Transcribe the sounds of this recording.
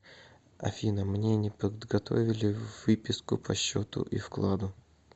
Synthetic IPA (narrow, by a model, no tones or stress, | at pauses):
ɐ̰fʲinəmnʲenʲɪpəd̪ɡɐt̪o̞vʲɪlʲɪvːɨpʲɪskʊpʰɐɕːot̪ʊ̰ʔifklˠad̪ʊ